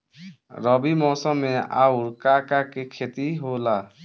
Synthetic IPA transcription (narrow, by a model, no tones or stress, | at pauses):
ɾəbimɔːsəmːẽa̰uɾkakakekʰet̪iɦola